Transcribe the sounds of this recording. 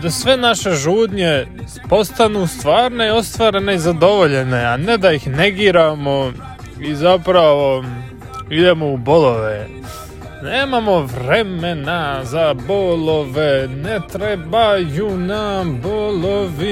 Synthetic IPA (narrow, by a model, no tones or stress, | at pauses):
d̪asʋe̞naʃe̞ʒuːd̪ɲe̞ | po̞st̪anuːst̪ʋaːɾne̞io̞st̪ʋaːɾe̞ne̞izad̪o̞ʋo̞ʎe̞ne̞aned̪aixne̞ɡiːɾamo̞ | izapɾaʋo̞ | id̪e̞mouboloʋe | neːmamo̞ʋɾeme̞nazaboloʋenet̪ɾebajunamboloʋi